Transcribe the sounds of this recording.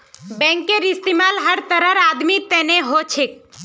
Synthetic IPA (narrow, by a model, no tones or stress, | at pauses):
bɛ̃ːŋkːeɾɪst̪imaːlɦəɾt̪əɾəɾaːd̪mit̪eneɦot͡ʃʰek̚